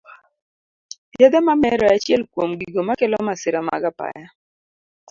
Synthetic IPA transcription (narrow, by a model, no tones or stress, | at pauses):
jad̪ɛmamɛɾɔat͡ʃjɛlkwomɡiɡomakɪlɔmasɪɾama̰ɡapa̰ja